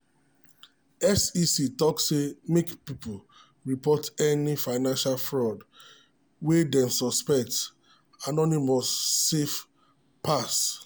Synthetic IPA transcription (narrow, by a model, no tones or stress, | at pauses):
ɛsisitɔksːemekpipu | ɹipɔtɛnifaɪnãnʃalfɹɔd | wedɛ̃nsɔspɛk̚t | anɔnimɔsːef | pʰas